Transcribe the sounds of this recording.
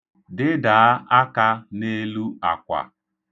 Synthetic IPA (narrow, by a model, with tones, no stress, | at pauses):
dɪ˦da˨˦a˦ka˦ne˦lu˦a˨kʷa̰˨